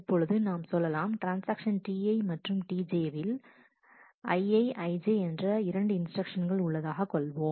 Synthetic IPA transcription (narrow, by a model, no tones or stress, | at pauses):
ɪpːɔɻɯðɯnaːmsɔlːɐlaːmʈɾaːnsaːkʂɐnʈiːɐɪmɐʈrɯmʈiːd͡ʒeːʋɪl | ɐɪɐɪʔɐɪd͡ʒeɛndrɐɪɾɐɳɖɯɪnsʈɾɐkʂɐnɡɐɭʊɭːɐðaːɣɐkːɔɭʋoːm